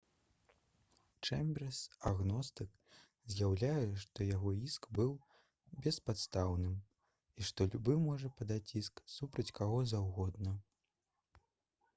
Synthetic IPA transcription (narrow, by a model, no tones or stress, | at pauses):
t͡ʂɛmʲbʲɛrsaɣnɔst̪ɨk | zʲjawlʲajɛʂt̪ɔjaɣɔiskbɨw | bʲɛspat̪st̪awnɨm | iʂt̪ɔlʲubɨmɔʐɐpad̪at͡sʲisksupɾɐt͡sʲkaɣɔzawɣɔd̪̚nɐ